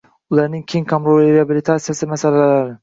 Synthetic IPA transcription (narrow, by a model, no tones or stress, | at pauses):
ʊlˠaɾnɪŋkʲʰeŋkʰamɾolɾeabilit̪ʰasijasɪmasallalaɾɪ